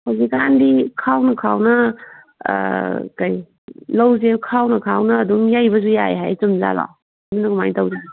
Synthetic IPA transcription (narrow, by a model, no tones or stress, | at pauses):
hozikandikʰawnɐkʰawnɐ̰ | kaj | lɐwzekʰawnɐkʰawnɐːduŋjajbɐzujaḛɦajt͡ʃumza̰la̰ | dunɐɡumajtɐwɾe